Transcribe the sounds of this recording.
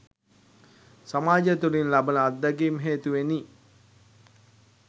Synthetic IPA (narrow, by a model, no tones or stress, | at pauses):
samaːd͡ʒət̪uɾinlabənəad̪ːaɡimɦeːt̪uʋeni